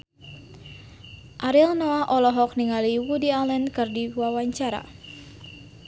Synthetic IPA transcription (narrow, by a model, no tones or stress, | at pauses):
ʔaɾilnɔaʔɔlɔɦɔk̚niŋaliwudialɛnkɨrdiwawaɲt͡ʃaɾa̰